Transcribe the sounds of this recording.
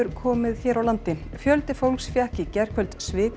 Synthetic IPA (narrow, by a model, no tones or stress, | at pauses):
ʏɾkʰɔːmɪðçɛːɾawlant̪ɪfjœlt̪ɪfowlksfjahcɪcɛr̥kʰvœlt̪svɪːk